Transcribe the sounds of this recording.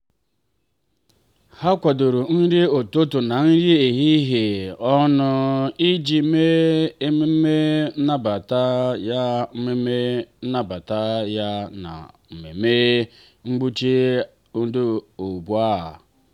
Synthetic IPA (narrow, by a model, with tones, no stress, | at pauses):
ha˦kʷa˨do˨ɾu˨n̩˦ɾi˦o˨to˦tʊ˨na˨n̩˦ɾi˦e˨ɦi˦ɦe˨ɔ˦nʊ˦i˦d͡ʒi˨me˦e˦me˦me˦na˦ba˨ta˦ja˦me˦me˦na˦ba˨ta˦ja˦na̰˨m̩˨mḛ˨me˦ | ŋ͡m̩˦ɡ͡bu˦t͡ʃi˦ | o˦du˦o˨bu˨a̰˦˨